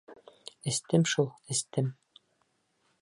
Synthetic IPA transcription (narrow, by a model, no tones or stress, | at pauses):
ɘ̆st̪ɘmʃulˠɘ̆st̪ɘm